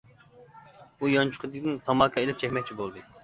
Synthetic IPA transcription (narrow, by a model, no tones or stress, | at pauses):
ujɑnt͡ʃʰu̥qʰɨd̪ɪkʲd̪ɪnt̪ʰɑmɑkʰːɑelɪp̚t͡ʃʰɛkʲmɛkʲt͡ʃʰibolˠd̪ɨ